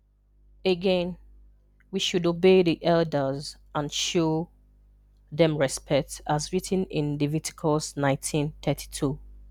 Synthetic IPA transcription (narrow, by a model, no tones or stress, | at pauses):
eɡɛ̃n | wiʃudobeðiʔɛldəz | ãnʃo | ðɛ̃mɹɛspʰɛk̚tazɹitʰnɪ̃ndəvitʰi̥kʰɔsnãɪ̃ntʰĩnθɛtʰi̥tʰu